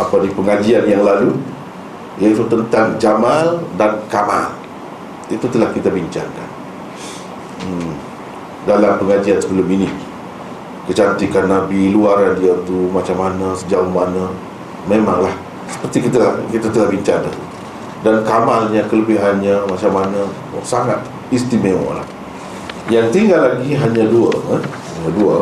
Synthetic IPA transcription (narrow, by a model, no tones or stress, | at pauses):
apadipəŋad͡ʒianjaŋlalu | ijait̪ut̪ənt̪aŋd͡ʒamaldankama̰l | it̪ut̪əlahkit̪abiɲt͡ʃa̰ŋka̰n | dalampəŋad͡ʒiansəbəlʊminɪʔ | kəd͡ʒant̪ikanːabiluaɾandiat̪umat͡ʃamanəsəd͡ʒauhmanə̃ | mema̰ŋlah | sə̥pərt̪ikit̪akit̪at̪əlahbiɲt͡ʃaŋkant̪u | dankamalɲakələbɪɦanɲamat͡ʃamːanə | saŋat̪ | ist̪imewɔ̰ʔla̰h | jaŋt̪iŋɡalːaɡiɦaɲãduə̰a | aduə̰